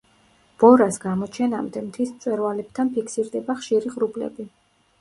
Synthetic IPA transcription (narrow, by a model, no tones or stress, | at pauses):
b̥ɔɾasɡamɔt͡ʃʰɛna̰md̪ɛmt̪ʰismt̪sʼwɛɾvalɛp̚t̪ʰanpʰikʰsiɾd̪ɛbaχʃiɾiʁɾublɛ̰bi